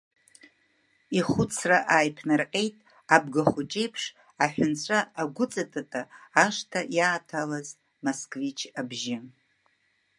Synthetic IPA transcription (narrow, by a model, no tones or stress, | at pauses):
iχʊt͡sʰraʔaːjpʰnarqʲʼe̞jtʼ | ab̚ɡaχʷʊt͡ʃʼejpʰʂ | aħʷᶣʊnt͡ɕʷʰʼaaɡʷʊt͡sʼatʼatʼaːʂtʰajaːtʰalaz | moskʼvit͡ʃʰabʒɪ